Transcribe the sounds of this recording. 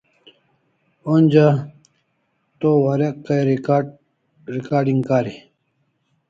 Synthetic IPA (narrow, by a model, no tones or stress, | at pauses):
onʲd͡ʑa | t̪owaɾekːɐjɾ | ɾikaːɾɖiŋɡkaːɾi